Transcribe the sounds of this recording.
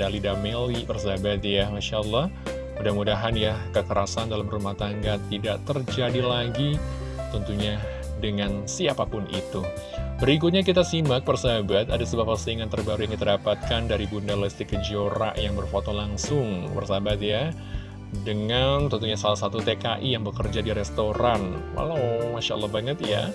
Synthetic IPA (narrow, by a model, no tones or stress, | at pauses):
dalidamelibərsabat̪̚jamaʃaəlːɑh | mudahmudaɦanjakəkəɾasandalamrumaht̪aŋɡat̪idaʔt̪ərd͡ʒadilaɡi | t̪ɔnt̪uɲa | dəŋansiapapʊnḭt̪ubəɾik̬ʊt̪̚ɲak̬it̪asimbak̚bərsabat̪adasəbuahpərsəiŋant̪ərbaɾujaŋkit̪adapat̪̚kandaɾibundalɛst̪ikəd͡ʒioɾa̰ʔjaŋbərfot̪olaŋsʊŋbə̰rsabat̪̚ja | dəŋant̪ɔnt̪uɲasalahsat̪ut̪ekaʔijaŋbəkərd͡ʒadiɾɛst̪oɾanwa̰lawmaʃa̰lːɑhbaŋət̪ja̰